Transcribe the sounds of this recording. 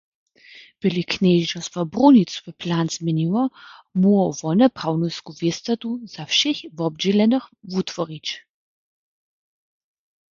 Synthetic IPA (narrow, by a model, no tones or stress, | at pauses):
b̥ilikʰneʒd͡ʒɔsvabrunit̪su̥vɛpʰlaːnzmɛniwɔmuɔvɔnɛpʰawnɔskuvest̪at̪uz̥afʃexvɔb̚d͡ʒilɛnəχvut̪ʰvɔɾit͡ʃ